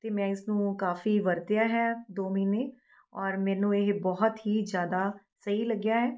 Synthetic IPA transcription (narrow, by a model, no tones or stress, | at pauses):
t̪eːmɛ̃ːɪsnũːkaːfiːʋəɾt̪ejaːɦɛːd̪oːmiːneː | ɔːɾmɛ̃ːnũːeɦbɔɦʊt̪ɦiːzjaːd̪aː | səɦiːləɡjaːɦɛː